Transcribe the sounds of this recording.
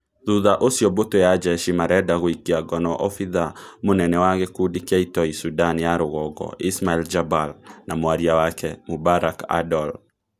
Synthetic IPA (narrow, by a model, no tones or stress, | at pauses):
ðuðaʔosjɔbotojad͡ʒɛʃimaɾɛdaɣoikiaɡɔnɔʔɔfiðamonɛnɛwaɣɛkudikaitɔisudanijaɾoɣɔɡɔ̰ismaɛld͡ʒabalnamowaɾiawakɛmobaɾaka̰dɔl